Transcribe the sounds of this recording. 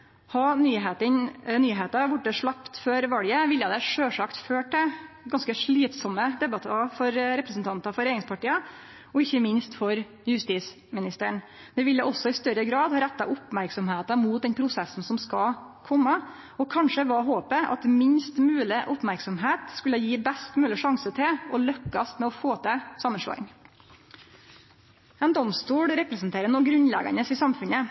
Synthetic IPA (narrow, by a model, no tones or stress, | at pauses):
hɑnyːɦeːt̪ənnyːɦeːt̪ɑʋʊʈ̚d̪ɛʂɭɑpt̪føːɾʋɑljəʋɪljəd̪ɛʂøːʂɑkt̪føːʈɛ | ɡɑnskəʂɭiːt̪sɔmːəd̪ɛbɑt̪ʰːɑfɔɾɾɛpɾəsn̩t̪ʰɑnt̪ɑfɔɾeːɾɪŋspʰɑʈiːɑ | ɔɪçːəmɪnst̪fɔɾ | jʉst̪iːs | mɪnɪst̪əɳ | d̪ɛʋɪlːəʔɔsɔɪst̪œɾəɡɾɑːd̪ɑɾæt̪ːɑʔʊpmæɾksɔmheːt̪ɑmuːt̪̚d̪ɛnpʰɾʊsɛsːn̩sɔmskɑkʰɔmːə | ɔkʰɑnʂəʋɑːɦoːpəʔɑ̰t̪mɪnst̪mʉːlɪʔʊpmæɾksɔmɦeːt̪skʉlːəjiːbɛst̪mʉːlɪʂɑŋsət̪ʰɪlɔlœkːɑst̪mɛɔfoːt̪ʰəsɑmːənʂɭo̰ːɪ̰ŋ | ɛnd̪ɔmst̪uːɽɾɛpɾəsnt̪ʰeːɾənɔɡɾʉnlɛ̰ɡɑ̰nəsɪsɑmfʉnə